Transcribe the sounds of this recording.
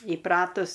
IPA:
iːˈprɑːtʊs

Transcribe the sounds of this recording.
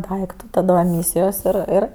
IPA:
ˈdɐɪktʊ ˈtɑːdɐ ɛˈmʲiːsʲɪjoːs ɪr ˈɪr

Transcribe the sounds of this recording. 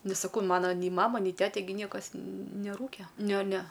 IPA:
ˈnʲɛs sɐˈkɐʊ ˈmɑːnɐ nʲɛɪ ˈmɑːmɐ nʲɛɪ ˈtʲæːtʲɛ ɡʲɪ ˈnʲiɛkɐs nʲɛˈruːkʲɛ ˈnʲɛ nʲɛ

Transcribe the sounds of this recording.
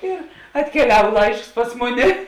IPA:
ɪr ɐtʲkʲɛˈlʲɛw ˈlˠɐɪʃks ˈpɐs mʊˌnʲɪ

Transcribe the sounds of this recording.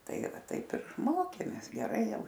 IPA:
ˈtɐɪɡʲɪ ˈʋɐ ˈtɐɪp ɪr ˈmoːkʲeːmʲeːs ɡʲɛˈrɐɪ ˈjɛʊ

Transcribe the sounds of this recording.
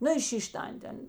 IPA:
ˈnʊ ɪ ˈʃʲiːʃʲ ˈtɐnʲtʲ ˈɐn ˈtʲɛn

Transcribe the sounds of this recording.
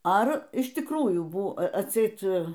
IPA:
ˈɐr ɪʃ tʲɪkˈruːjuː ˈbʊ ɐtʲˈsʲɛɪt

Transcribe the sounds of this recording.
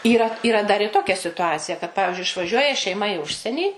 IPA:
ˈiːrɐ iːˈrɐ dɐr ɪr ˈtoːkʲɛ sʲɪtʊˈɑːt͡sʲɪjɛ kɐt ˈpɑːʋʲɪʒʲʊɪ ɪʃʋɐˈʒʲuɔjɛ ʃʲɛɪˈmɐ ɪ ˈʊʃʲsʲiɛnʲiː

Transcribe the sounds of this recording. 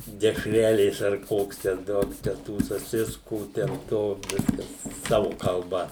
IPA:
dʲɛʃʲˈrʲæːlʲeːs ɐr ˈkoːks tʲɛn ˈduɔk t͡ʃʲɛ ˈtuː sɐˈsʲɪskuː tʲɛn ˈtoː ˈʋʲɪskɐs ˈsɑːʋʊ kɐlˠˈbɐ

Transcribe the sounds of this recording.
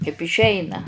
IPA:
kɐɪp ɪʃʲˈɛɪnɐ

